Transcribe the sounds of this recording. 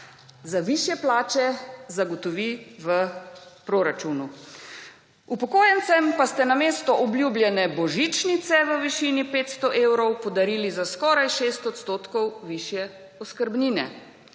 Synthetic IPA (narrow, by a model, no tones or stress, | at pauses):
zaʋiʃjɛplaːt͡ʃɛzaɡɔt̪ɔʋiʋəpɾoɾat͡ʃunu | upɔkoːjɛnt̪sɛmpast̪ɛnameːst̪ɔʔɔbljublʲjɛnɛbɔʒit͡ʃnit̪sɛʋəʋiʃiːnipeːt̪st̪ɔʔeːwɾɔwpɔd̪aɾiːlizaskɔːɾajʃeːst̪ɔt̪st̪oːt̪kɔwʋiʃjɛ | ɔskəɾbniːnɛ̰